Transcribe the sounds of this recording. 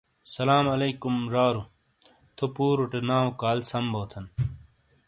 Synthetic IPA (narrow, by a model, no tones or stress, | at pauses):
sɐlaːmɐleːkumɾaːɾu | t̪ʰopuːɾuʈenaːokaːlsɐmboːt̪ʰɐn